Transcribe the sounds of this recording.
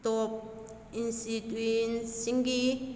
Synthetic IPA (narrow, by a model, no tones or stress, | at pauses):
t̪ɔp̚ | insit̪winsiŋɡi